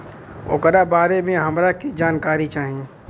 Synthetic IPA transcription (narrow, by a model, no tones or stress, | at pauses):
ʊ̰kəɾabaːɾemẽɦɐmɾakid͡ʒaːnkaːɾit͡ʃaːɦiẽ